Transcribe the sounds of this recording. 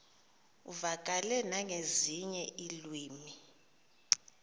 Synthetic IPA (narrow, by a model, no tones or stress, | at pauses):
uvakʼalɛnaŋeziɲɛilwiːmi